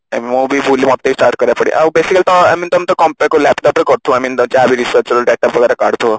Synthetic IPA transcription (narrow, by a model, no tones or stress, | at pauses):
amimobʱibʱulimɔt̪ːeisʈaɾʈ̚kəɾjapəɽḛʔa̰besikəlit̪ɔamint̪ɔmt̪ɔkɔmpɛkolɛpʈɔpɾekəɾt̪ʰõamiːnt̪ɔt͡ɕaabʱiɾisəsɔləɖɛʈːɔpʋəkaɾekaɽ̤t̪ʰo